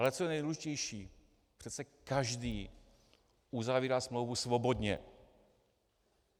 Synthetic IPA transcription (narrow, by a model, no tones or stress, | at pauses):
alɛtt͡sojɛnɛjdluʒɪcɛjʃiː | pr̝̥ɛt̪t͡sɛkaʒdiː | ʔuzaviːɾasmlowvusvobo̞dɲɛ̰